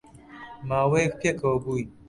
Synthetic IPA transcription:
maːwejk̚pʰekɐwɐbuːi

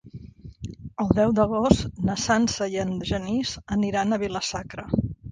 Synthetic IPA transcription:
əlˠd̪ɛwd̪əɣ̞ost̪nəsansəjənʒənizəniɾanəβiləsakɾə

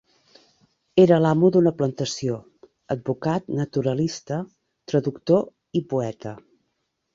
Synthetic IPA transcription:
eɾəlamuðunəplənt̪əsio | əd̪̚bukat̪nət̪uɾəlist̪ə | t̪ɾəðukt̪o | ipuɛt̪ə

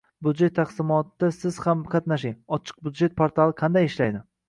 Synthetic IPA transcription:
bʊd̪d͡ʒe̞t̪ʰːaqsɪmɒt̪ːasɪz̥hamqʰɑt̪naʃɪŋɒt͡ʃʰɨ̥q̚bud̪d͡ʒe̞t̪̚pʰoɾt̪ʰalˠɨqʰɑnd̪ajɪʃlajd̪ɪ

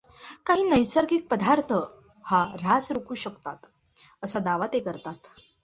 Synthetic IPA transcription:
kaɦiːnəjsaɾkiːk̚pəd̪ʱaɾt̪ʰə | haɾat͡sɾukʰuːɕəkt̪at̪ | əsad̪aʋat̪ekəɾt̪at̪

